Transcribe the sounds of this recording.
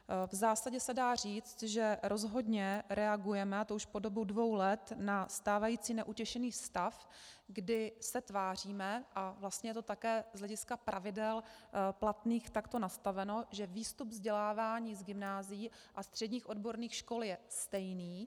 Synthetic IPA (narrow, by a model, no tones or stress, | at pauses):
vzaːsaɟɛsɛdaːr̝iːt͡st̪ʒɛɾʔo̞zɦo̞dɲɛɾɛaɡujɛmɛat̪ouʃpo̞do̞budvo̞wlɛt̪nast̪aːvajiːt͡siːnɛʔucɛʃɛniːst̪afɡdɪsɛt̪vaːr̝iːmɛʔavlast̪ɲɛjɛt̪o̞t̪akɛːzɦlɛɟɪskapɾʔavɪdɛlplat̪niːxt̪akt̪o̞nast̪avɛnoʒɛviːst̪ubvzɟɛlaːvaːɲiːzɡɪmnaːzɪji | ʔast̪r̥ɛdɲiːxʔo̞dbo̞ɾniːxʃko̞ljɛst̪ɛjniː